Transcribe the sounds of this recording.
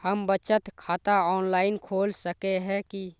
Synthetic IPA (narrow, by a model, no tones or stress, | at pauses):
həmbət͡ʃət̪kʰaːt̪aɔːnlaːɪnkʰoːlsəkeɦɛ̃ki